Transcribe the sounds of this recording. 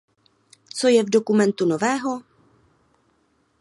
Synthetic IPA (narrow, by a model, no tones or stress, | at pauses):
t͡so̞jɛvdo̞kumɛnt̪uno̞vɛːɦo